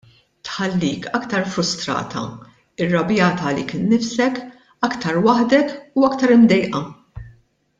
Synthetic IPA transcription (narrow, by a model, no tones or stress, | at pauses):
t̪ħɐlːiːkʰɐkt̪ɐɾfɾʊst̪ɾɐ̰ːt̪ʰɐ̰ | ɪrːɐbjɐːt̪ɐlḭkɪnːɪfsɛk | ɐkt̪ɐɾwɐħd̪ɛkuɐkt̪ɐɾɪmd̪ɛjʔɐ